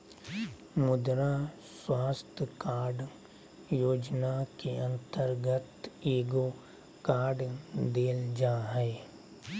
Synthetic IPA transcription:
mʊd̪ɾa | swaːst̪ʰjəkaːɾɖ | joːd͡ʒnakeə̃nt̪əɾɡət̪eːɡo | kaːɖd̪eːld͡ʒaːɦɛ

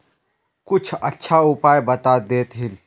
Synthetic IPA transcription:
kʊt͡ʃʰɐtːʃʰaʊpaːjbɐt̪aːd̪eːt̪ɦɪl

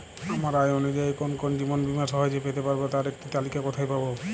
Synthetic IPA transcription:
amaɾajonod͡ʒaekonkond͡ʑibɔnbimasɔɦɔjd͡ʒepet̪epaɾbet̪aɾek̚ʈit̪alikakɔt̪ʰajpabo

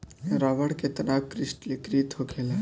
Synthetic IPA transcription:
ɾaːʋəɽket̪ənaːkːɾɪsʈlikɾiːt̪ʰokʰela

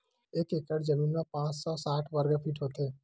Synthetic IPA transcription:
ekekəɽd͡ʒəminmapãt͡ʃsɔsaʈʰʋəɾɡəfʰiʈɦot̪e

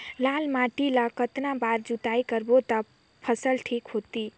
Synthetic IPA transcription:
lalmaʈilakət̪nabaɾd͡ʒut̪aikəɾbot̪ə | pʰəsəlʈʰikɦot̪i

